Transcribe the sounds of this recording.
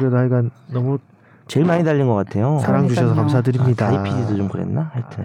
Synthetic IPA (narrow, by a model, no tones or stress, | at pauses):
ɾedoɦaɭiɡanːʌmu | t͡ɕe̞ɭmaɲidaʎːinɡʌk͈atʰe̞jotaɾaŋd͡ʑuɕʌsʰʌkams̬ʰadɯɾimɲidaipʰid͡ʑidot͡ɕomkɯɾḛnːahaɭtʰɯn